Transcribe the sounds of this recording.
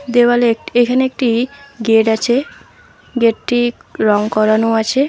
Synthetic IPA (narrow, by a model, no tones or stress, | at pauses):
d̪ewaleekekʰaneek̚ʈiɡeʈat͡ɕʰe | ɡeʈʈiɾɔŋkɔɾanoat͡ɕʰe